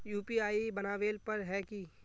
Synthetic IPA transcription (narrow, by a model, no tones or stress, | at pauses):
juːpiaːibɐnaːʋeːlpɐɾɦɛki